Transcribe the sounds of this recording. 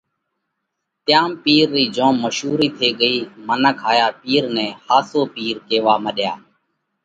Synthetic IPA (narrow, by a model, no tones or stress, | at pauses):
t̪jaːmpiːɾːiːd͡ʒõːmːəʃuːɾiːt̪ʰeːɠəiːmənəkʰaːjaːpiːɾnɛ̃ːhaːsoːpiːɾkeːʋaːməɗjaː